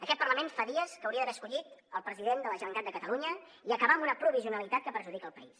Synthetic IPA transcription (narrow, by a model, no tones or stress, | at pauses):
əkɛt̪pərləmenfaðiəskəwɾiəðəβɛəskuʎit̪əlˠpɾəziðend̪ələʒəəŋk̪at̪̚d̪əkət̪əluɲə | iəkəβaəmbunəpɾuβ̞iziunəlit̪at̪̚kəpəɾʒuðikəːlˠpəis